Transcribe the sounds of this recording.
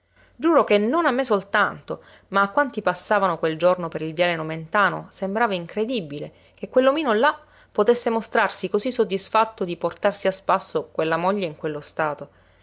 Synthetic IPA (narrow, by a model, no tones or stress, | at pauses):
d͡ʒuːɾok̟enːonamːesolt̪ant̪o | maːkːwant̪ipasːaːvanokweld͡ʒornopeɾilvjaːlenoment̪aːno̰sembɾaːvaiŋkɾed̪ibile | k̟ekwelːomiːnola | pːot̪esːemost̪ɾarsikozisːod̪ːisfat̪ːod̪iport̪arsiaspasːokwelːamoʎːeiŋkwelːost̪aːt̪o